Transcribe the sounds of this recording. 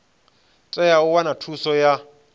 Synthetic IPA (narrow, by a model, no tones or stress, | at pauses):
t͡sʼɛjaʊwanatʰusɔja